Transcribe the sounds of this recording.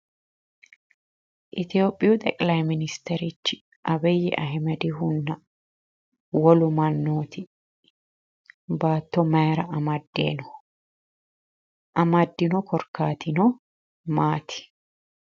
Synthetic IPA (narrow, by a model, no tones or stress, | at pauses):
ʔɪt̪ɪjo̞ːpʼːɪjʊt̪ʼɛkʼlɐjmɪnɪst̪ɛɾɪt͡ʃːɪ | ʔɐbɛjːɛʔɐɦɪmɐd̪ɪɦʊnːɐ | wɔlʊmɐnːoːt̪ɪ | baːt̪ːɔmɐɾɐɐmɐd̪ːḛːnɔ | ʔɐmɐd̪ːɪnɔkɔɾkːaːt̪ʰɪnɔ | maːt̪ɪ̥